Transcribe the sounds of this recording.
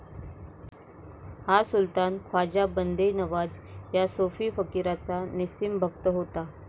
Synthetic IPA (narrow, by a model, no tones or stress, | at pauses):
hasult̪ankʰwad͡ʑabənd̪ʱenəʋad͡zjasofiːfəkiɾat͡sanisimbʱəkt̪əɦot̪a